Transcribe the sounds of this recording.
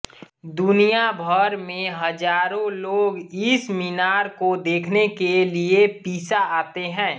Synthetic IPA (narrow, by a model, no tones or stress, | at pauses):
d̪ʊnijabʱəɾmẽɦəd͡ʒaːɾõloːɡisminaːɾkod̪eːkʰnekeliepiːsaaːt̪eɦɛ̃ː